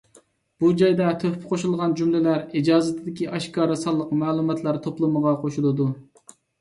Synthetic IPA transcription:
b̥ud͡ʒɑjd̪ɛt̪ʰøppqʰoʃulˠʁɑnd͡ʒumlɪlæɾid͡ʒɑːzɨt̪ʰɪd̪ɪkʲiʔɑʃkɑːɾɨsɑlˠːəqmɑːlˠumɑt̪ʰlˠæɾt̪ʰoplˠɨməʁɑqʰoʃulˠɨd̪u

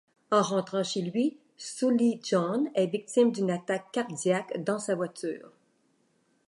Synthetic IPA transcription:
ɑ̃ʁɑ̃t̪χɑ̃ʃelɥi | suliʒɔ̃nɛvik̚t̪imd̪ynat̪akːaʁd̪jakd̪ɑ̃savwat̪y̰ːʁ

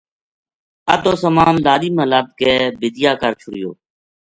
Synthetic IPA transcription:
ət̪oːsəmaːnlaːliːməlaːt̪̚keːbɪd̪ɪjaːkəɾt͡ʃʰʊɽɪjo̰ː

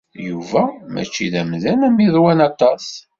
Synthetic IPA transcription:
juvæmʔæ̰t͡ʃːiðæmðænæmiðˤwænɑt̪ˤːɑs

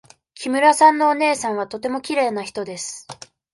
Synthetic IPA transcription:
kʲimɯ̟ɾasãnːo̞ːne̞ːsãɰ̃βat̪o̞t̪e̞mo̞kʲiɾe̞ːnaçi̥t̪o̞d̪e̞sɨ̥

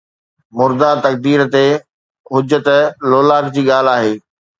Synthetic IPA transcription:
mʊɾd̪at̪ɐk̚d̪iːɾt̪e | ɦʊd͡ʑət̪loːlaːkd͡ʑiːɠaːl̤aːɦeː

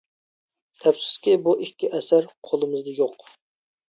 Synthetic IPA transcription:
t̪ʰɛpsɪ̥skʲibuʔikʲʰːiʔɛsæɾqʰolˠɨmɨzd̪ɨjoq

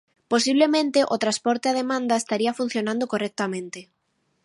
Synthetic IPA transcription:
posiβlemẽnt̪eʔot̪ɾaspɔɾt̪eað̞emãnd̪aest̪aɾiɐfun̟θjonãnd̪okorɛk̚t̪amẽnt̪e

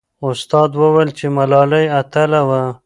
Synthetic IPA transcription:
ʊst̪ɑd̪wəwajlt͡ʃemalɑlajat̪alawa

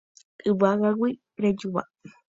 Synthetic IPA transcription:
ɨbaɣaɡʷi | ɾed͡ʒuβa̰

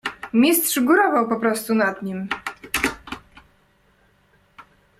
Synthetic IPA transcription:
mʲist̪ʂiɡuɾɔvawpɔpɾɔst̪unad̪ɲim

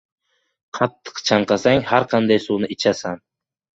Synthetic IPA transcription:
qʰɑt̪ʰːɨ̥qt͡ʃʰɑɴqɑsaŋhaɾqʰɑnd̪ajsuːnɪʔɪt͡ʃʰasan

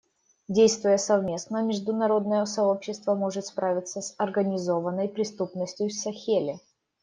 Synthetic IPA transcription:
dʲejst̪vʊjəsɐvmʲe̞snəmʲɪʐd̪ʊnɐɾo̞d̪nəjəsɐo̞pɕːɪst̪vəmo̞ʐɨt̪spɾavʲɪt̪səsɐrɡənʲɪzo̞vənːəjpɾʲɪst̪upnəsʲtʲjʊsɐxʲelʲɪ

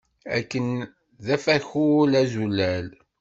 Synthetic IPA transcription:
æ̰kːən | ðæfæçulæzulːæl

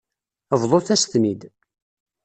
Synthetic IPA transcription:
əvðˤoθæsθmid̪

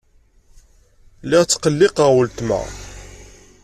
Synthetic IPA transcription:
lːɪʁt͡sːqəlːɪqəwəlt̪mæ̰

